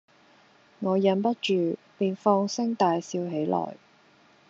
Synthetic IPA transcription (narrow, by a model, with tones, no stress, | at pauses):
ŋɔː˨˧jɐ˨˧˥npɐ˥t̚t͡ʃyː˨piː˨ŋfɔː˧˥ŋsɪ˥ŋt̪aː˨jsiː˧wɦe˨˥jlɔ̰ː˨˩j